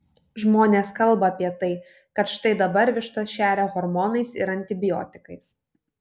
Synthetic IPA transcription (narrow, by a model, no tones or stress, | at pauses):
ʒmoːnʲeːskɐlˠbɐɐpʲiɛt̪ɐɪ | kɐt̪ʃɪ̥t̪ɐɪd̪ɐbɐɾʲʋʲɪʃt̪ɐʃʲæːɾʲɛɣɔɾmɔnɐɪsɪ̰ɾɐnʲt̪ʲɪbʲɪjɔ̰ːt̪ʲɪ̥kɐɪs